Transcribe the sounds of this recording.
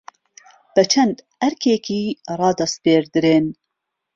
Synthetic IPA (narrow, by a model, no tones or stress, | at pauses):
b̥ɛt͡ʃʰɛnd̪hæɾkʰeːkiːrɑːd̪ɐs̚peːɾd̪ɨɾeːn